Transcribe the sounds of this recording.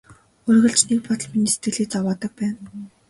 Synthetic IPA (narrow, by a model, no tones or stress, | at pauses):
ʊrɣɵ̆ɮt͡ɕnek̚pɔt̪̆ɮminiːse̥t̪̚ɡɘ̆ɮiːt͡sawaːt̪ə̆k̚pæːn